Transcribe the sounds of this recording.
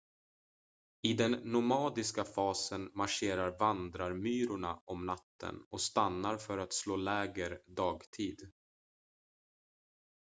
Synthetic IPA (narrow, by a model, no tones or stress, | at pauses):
ɪd̪ɛnːʊmɑːd̪ɪskafɑːsənmaʂeːɾaɾvand̪ɾaɾmyːɾʊɳaɔmnat̪ːə̰nɔst̪anːaɾfœɾat̪sloːlɛːɡəɾd̪ɑːɡt̪ʰiːd̪